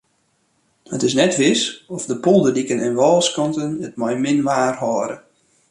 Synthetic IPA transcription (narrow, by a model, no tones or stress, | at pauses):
ətɪsnɛtʋɪsɔfdəpɔlˠdədikənɛnʋɔlˠskɑntənət̚mɔjmɪnʋaːrhɔːɾə